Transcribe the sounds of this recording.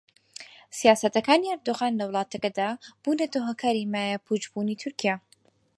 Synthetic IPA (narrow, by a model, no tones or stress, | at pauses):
sijaːsɐt̪ɐkaːniɐɾd̪oɣaːnlɐwlˠɑːt̪ʰɐkɐd̪aːb̥uːnɐd̪oːɦɐkʰaːɾimaːjapʰud͡ʒbuːniːt̪ʰʊɾkijaː